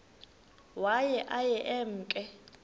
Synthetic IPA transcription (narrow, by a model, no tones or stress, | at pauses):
wajɛʔajɛʔɛm̩ːkʼɛ